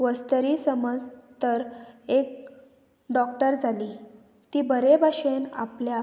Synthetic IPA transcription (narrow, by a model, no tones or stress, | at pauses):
ʋəst̪əɾisəməd͡zt̪əɾek̚ | ɖɔkʈəɾd͡zʱali | t̪iːbəɾebʱaɕena̰plja